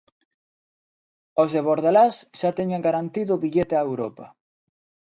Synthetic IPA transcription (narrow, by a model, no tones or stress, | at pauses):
ozðeβoɾðalasʃat̪ɛɲaŋɡaɾant̪iðʊːβiʎet̪ɪaewɾopɐ